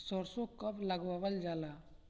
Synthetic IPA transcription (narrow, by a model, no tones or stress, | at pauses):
sɔɾsokɐpləɡʋaʋəld͡ʒaːlaː